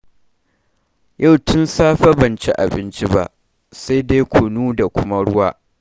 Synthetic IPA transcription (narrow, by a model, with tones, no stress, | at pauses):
jʔa˦˨wtʊ˦nsaː˦ɸa˦bɐ˨nt͡ʃḭ˦ʔa̰˨bɪ˦nt͡ʃi˦ba̰˦ʔ | sa˦jde˦jkʷʰʊ˨nuː˦da˨kʷʊ˦ma˦ɽʊ˦waː˦ʔ